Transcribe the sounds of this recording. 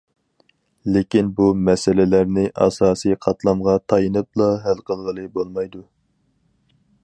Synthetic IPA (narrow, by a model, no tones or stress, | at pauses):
lekʲinbumɛsɪlɪlæɾnɪʔɑ̰sɑːsɨjqʰɑt̪lˠɑmʁɑt̪ʰɑjɨnɨp̚lˠɑɦælqʰəlˠʁəlˠɨbolˠmɑjd̪u